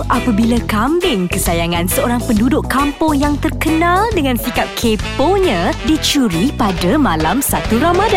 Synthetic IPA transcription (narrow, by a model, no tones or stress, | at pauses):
ʔapabilakambɪŋkəsajaŋãnsəoɾaŋpəndudʊʔkampʊŋjaŋt̪ərkənãldəŋãnsikap̚kʰepoɲãdit͡ʃuɾipadamãlamsat̪uɾamada